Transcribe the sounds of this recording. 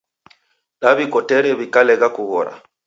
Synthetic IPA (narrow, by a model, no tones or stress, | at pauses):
laβikɔtɛɾɛβikalɛɣakuɣɔɾa̰